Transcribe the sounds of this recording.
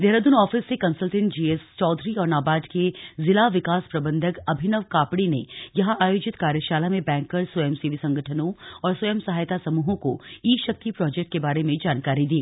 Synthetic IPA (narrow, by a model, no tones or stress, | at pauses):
d̪eɦɾəd̪ʊnɔːfɪsːekɐ̃nsəlʈɪ̃nd͡ʒiːest͡ʃɔːd̪ʱɾiɔːɾnaːbaːɖkezɪlaʋɪkaːspɾɐbə̃nd̪ʱəkɐbʱɪnəʋkaːpɽinejɐɦãʔaːjoːd͡ʒɪt̪kaːɾjəʃaːlamẽbɛ̃ːŋkːəɾswɐjəmsiʋisɐ̃ŋɡʱəʈʰənõɔːɾswɐjəmsɐɦaːjt̪asɐmuːɦõko̰iːʃɐk̚t̪ipɾɔːd͡ʒɛk̚ʈ̚kebaːɾemẽd͡ʒaːnkaːɾid̪iː